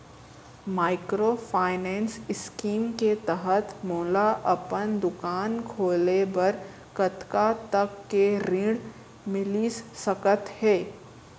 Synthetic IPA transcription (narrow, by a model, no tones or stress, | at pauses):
maːɪkɾopʰaːɪnɛ̃ːnsɪskiːmket̪əɦət̪moːlaʔɐpənd̪ʊkaːnkʰoːlebɐɾ | kɐt̪kat̪ɐkːeɾɪ̃ɽ | mɪlissɐkət̪hɛː